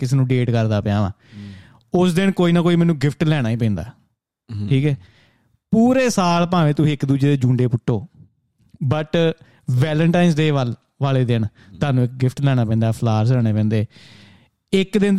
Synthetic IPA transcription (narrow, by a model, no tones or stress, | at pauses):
kɪseːnũːɖeːʈkəɾd̪aːpɪjãːʋã̰ː | ʊsd̪ɪɳkoːiːnaːkoːiːmɛːnũːɡɪpʰʈlɛːɽ̃aːiːp̬ɛ̃ːnd̪a̰ː | ʈʰiːkɛː | puːɾeːsaːlpãːʋẽːt̪ʊsĩːɪkd̪uːd͡ʒeːd̪eːd͡ʒũːɳɖeːpʊʈʰːoː | bəʈ | ʋɛːləɳʈaːɪnsd̪eːʋəl | ʋaːleːd̪ɪɳ | t̪aːnũːɪk̚ɡɪpʰʈlɛːɽ̃aːpɛ̃ːnd̪aːpʰlaːɾslɛːɽ̃eːpɛ̃ːnd̪eː | ɪkd̪ɪn